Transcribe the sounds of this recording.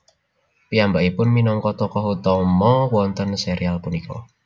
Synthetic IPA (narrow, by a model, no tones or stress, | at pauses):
piambaʔipʊnminɔŋkɔt̪ɔkɔɦut̪ɔmɔwɔnt̪ənseɾialpunikɔ̰